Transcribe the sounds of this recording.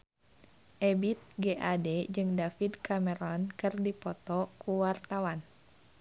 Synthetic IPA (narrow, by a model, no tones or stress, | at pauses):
ʔɛbit̪̚ɡeʔadɛd͡ʒɨŋdafidkʰamɛɾɔnkɨrdipɔt̪ɔkuwart̪awan